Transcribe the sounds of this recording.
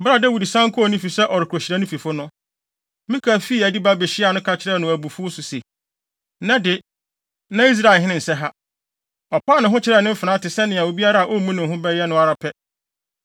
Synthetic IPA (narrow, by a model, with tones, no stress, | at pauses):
bɾa˨dɛ˦wu˨di˨sã˦ŋ̩˦kʰʊ˦ɔ˨nĩ˦fi˨sɛ˦ʔɔ˨ɾɪ˨kʰo˨ɕɪ˨ɾa˦nʊ̃˦fi˨fʊ˦nʊ̃˦ | mɪ̃˦kʰa˨fiː˦˨æ˨di˦ba˦bɛ˨ɕɪ˦a˨nʊ̃˦kʰa˦t͡ɕʰɪ˦ɾɛ˦˨nʊ̃˨æ˨bu˨fʊ˦sʊ˨se˨ | nã˦dɪ˨ | nã˦i˦s̬ɾa˦˨ɦɪ̃˦nɪ̃˦n̩˨sɛ˦ɦa˦ | ɔ˨pa˦˨nʊ̃˨ɦʊ̃˦t͡ɕʰɪ˦ɾɛ˦˨nʊ̃˦m̩˦fɪ˨nã˦tɪ˨sɛ˦nɪ̃˨a˨wo˨bi˦a˦ɾa˦˨ʔo˦mũ˦nʊ̃˨ɦʊ̃˦bɛ˦jɛ˦nʊ̃˦a˨ɾa˨pʰɛ˦